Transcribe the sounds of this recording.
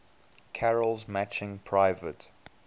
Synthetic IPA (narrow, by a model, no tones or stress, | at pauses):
kʰɛɹəlˠzmæt͡ʃɪ̃ŋpʰɹaɪvət